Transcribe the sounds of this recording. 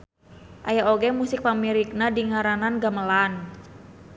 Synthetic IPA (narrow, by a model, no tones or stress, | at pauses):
ʔajaoɡɛmusɪk̚pamiɾik̚nadiŋaɾananɡaməlan